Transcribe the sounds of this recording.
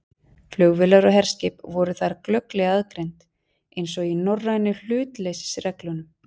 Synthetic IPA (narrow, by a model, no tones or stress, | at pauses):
flœɣvɪlaɾɔɦɛɾ̥scɪːpvɔɾʏθaɾklœklɛɣaðkɾejnt̪ | ejnsɔɣinɔrːanːʏl̥ʏːt̪lejsɪ̥srɛklʏnʏm